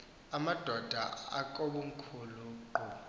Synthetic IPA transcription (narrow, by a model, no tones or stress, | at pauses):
amad̥ʱɔd̥ʱa̰a̰kʼoɓum̩kʰuluǃɔ